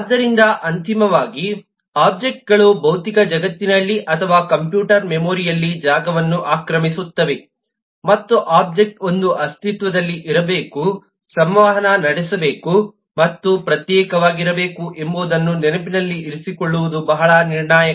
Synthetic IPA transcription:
d̪ːɐɾind̪ɐʔɐnt̪imɐʋaːɡi | aːp̚d͡ʒek̚ʈ̚ɡɐɭubɐwt̪ikɐd͡ʒɐɡɐt̪ːinɐlːiʔɐt̪ʰɐʋaːkɐmpjuːʈɐɾmemoːɾijɐlːid͡ʒaːɡɐʋɐnːuʔaːkɾɐmisut̪ːɐʋe | mɐt̪ːuʔaːb̚d͡ʒek̚ʈo̞nd̪uʔɐst̪ʰit̪ʋɐd̪ɐlːiʔiɾɐbeːku | sɐmʋaːɦɐnɐnɐɽɛsɐbe̞ːku | mɐt̪ːupɾɐt̪jɛːkɐʋaːɡiɾɐbe̞ːkuʔemboːd̪ɐnːunɛnɐpinɐlːiʔːɾisikoɭːuʋud̪ubɐɦɐɭɐniɾɳaːjɐ

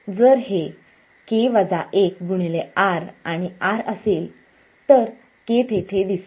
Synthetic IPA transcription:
d͡zəɾɦe | keʋad͡zaʔek̚ɡuɽ̃ileaɾaɽ̃iaɾəseːl | t̪əɾ | kepʰeʈ̪ʰed̪is

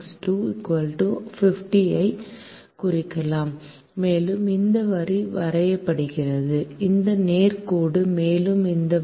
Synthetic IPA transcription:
sʈuːɪkʋɐlʈufɪfʈiɐɪ | kʊrɪkːɐlaːmː | eːlɯmɪnd̪ɐʋɐɾiʋɐɾɐjɐpːɐɽɯɣɪrɐðɯɪnd̪ɐneːɾkuːɽɯmeːlɯmɪnd̪ɐ

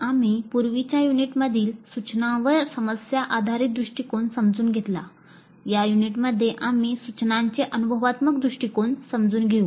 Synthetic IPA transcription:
amiːpuɾʋit͡ɕjajuniʈməd̪ʱiːlsut͡ɕnãʋəɾsəməsjaʔad̪ʱaɾiːt̪̚d̪ɾuʂʈikonsəmd͡zuːnɡʱet̪la̰ | jajuniʈməd̪ʱːjeʔamisut͡ɕnãɲt͡ɕeʔənubʱəʋat̪məkd̪ɾuʂʈikonsəmd͡zuːnɡʱeũː

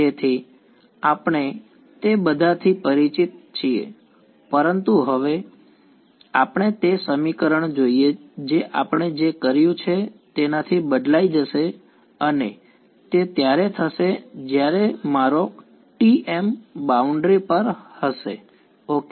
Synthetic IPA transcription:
et̪ʰi | apəɳ̃e | t̪ebəd̪ʱat̪ʰipəɾit͡ʃit̪̚t͡ʃʰiḛ | pəɾənt̪uɦəʋe | apəɳ̃et̪esəmikəɾəɳd͡ʒoied͡ʒeʔapəɳ̃ed͡ʒekəɾjũt͡ʃʰet̪enat̪ʰibəd̪laid͡ʒəʃe | əne | t̪et̪jaɾet̪ʰəʃed͡ʒjaɾemaɾo | ʈiʔembauɳɖɾipəɾhəʃe | ok

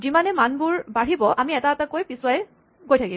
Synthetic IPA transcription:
zimanɛmanbʊɹbaɹibɔʔamiɛtaatakojpisʊwajɛ | ɡojtʰaki

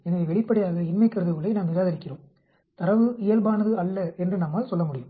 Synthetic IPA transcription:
ɛnɐʋeʋɛɭɪpːɐɽɐɪjaːɣɐɪnmɐɪkːɪɾɐðɐʋɯɭːɐɪnaːmnɪɾaːɣɐɾɪkːɪroːm | t̪ɐɾɐʋɯɪjɐlbaːnɐðɯɐlːɐɛndrɯnɐmːaːlsɔlːɐmʊɽɪjɯm

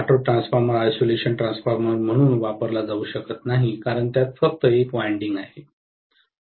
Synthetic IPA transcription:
aʈoʈɾãnsfaɾməɾajsoleɕənʈɾãnsfaɾməɾm̤əɽ̃uːnʋapəɾlad͡zauːɕəkət̪naɦikaɾəɳt̪jat̪fək̚t̪əekʋajɳɖiŋɡaɦe

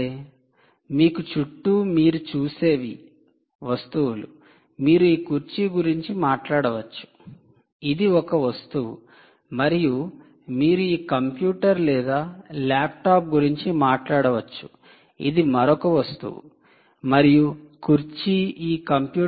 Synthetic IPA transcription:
e | miːkut͡ʃuʈːuːmiːɾut͡ʃuːseːʋi | ʋɐst̪uwulṵ | miːɾuiːkuɾt͡ʃiɡuɾiɲt͡ʃimaːʈlaːɽɐʋɐt͡ʃːu̥ | id̪iɔkɐʋɐst̪uʋṵ | mɐɾiju | miːɾuiːkɐmpjuːʈɐɾlɛːd̪aːlaːp̚ʈaːp̚ɡuɾiɲt͡ʃimaːʈlaːɽɐʋɐt͡ʃːu̥ | ḭd̪imɐɾɔkɐʋɐst̪ṵwṵ | mɐɾijukuɾt͡ʃiiːkɐmpjuː

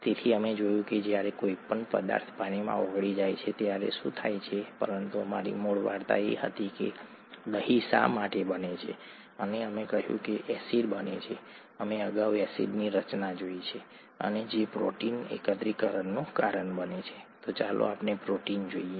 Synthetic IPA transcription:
t̪et̪ʰiəmed͡ʒojũked͡ʒjaɾekoipəɳpə̰d̪a̰ɾt̪ʰpaɽ̃imã̰əɡɽid͡ʒajt͡ʃʰet̪jaɾḛʃṵ̃t̪ʰajt͡ʃʰepəɾənt̪uəma̰ɾḭmoɭʋaɾt̪a̰ḛɦə̰t̪ikḛ | ɗ̪əɦisa̰maʈebənet͡ʃʰe | əneəmekəɦjṵ̃keʔɛsiɾbənḛt͡ʃʰe | əmeəɡaʋɛsḭɖniɾət͡ʃnad͡ʒoit͡ʃʰe | ə̰ned͡ʒepɾo̰ʈinḛkət̪ɾikəɾəɳːokaɾəɳbənet͡ʃʰe̥t̪ot͡ʃalo̰apnepɾoʈind͡ʒoie

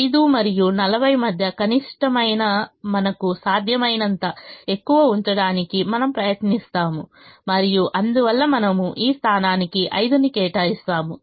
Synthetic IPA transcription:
ɐjid̪umɐɾijunɐlɐbʱɐjmɐd̪ʱjɐkɐniʂʈɐmɐjnɐmɐnɐkusaːd̪ʱjɐmɐjnɐnt̪ɐe̞kːuʋɐuɲt͡ʃɐɽaːnikimɐnɐmpɾɐjɐt̪nist̪aːmu | mɐɾijuʔɐnd̪uʋɐlːɐmɐnɐmuʔiːst̪ʰaːnaːnikiʔɐjd̪unikɛːʈaːist̪aːmu

